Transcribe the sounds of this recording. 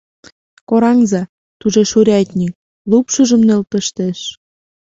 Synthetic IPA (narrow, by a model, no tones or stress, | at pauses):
koɾɑŋzɑ | t̪uʒeʃuɾʲɑt̪ʲnʲi | lupʃəʒə̆mnelt̪ə̆ʃt̪eʃ